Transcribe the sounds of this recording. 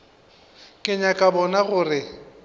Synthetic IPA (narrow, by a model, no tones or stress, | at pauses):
kʼɪɲakʼabɔnaɣʊːrɪ